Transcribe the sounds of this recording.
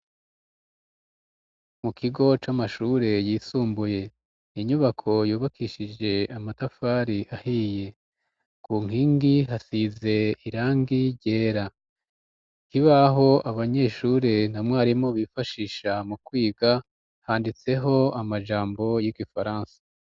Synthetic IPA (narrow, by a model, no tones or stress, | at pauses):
mukiɡo̞t͡ʃamaʃuːɾe̞jiːsuːmbuje̞ | iɲuβakʰo̞juːβakʰiʃid͡ʒe̞amatafaːɾiʔahiːje̞ | kuŋ̥hiːŋɡiɦasize̞iɾaːŋɡiɟe̞ːɾa | hiβaɦo̞ʔaβaɲe̞ːʃuːɾe̞n̥hamŋaːɾimo̞βifaʃiːʃamukwiːɡa | haːndit͡se̞ɦo̞amaʒaːmbo̞jiɡifaɾaːnsḁ